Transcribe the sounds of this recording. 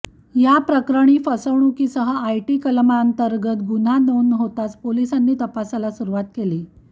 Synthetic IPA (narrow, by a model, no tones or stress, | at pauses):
japɾəkɾəɽ̃iːfəsəʋɳ̃ukiːsəɦəajʈiːkəlmaənt̪əɾɡət̪ɡun̤ad̪əwnɦot̪at͡spolisanːiːt̪əpasalasuɾuʋat̪̚keliː